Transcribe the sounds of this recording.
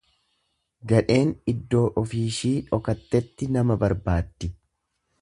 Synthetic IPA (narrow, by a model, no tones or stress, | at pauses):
ɡɐᶑe̞ːnɪd̪ːo̞ːʔɔfiːʃiːᶑɔkɐt̪ːɛt̪ːɪnɐmɐbɐɾbaːd̪ːɪ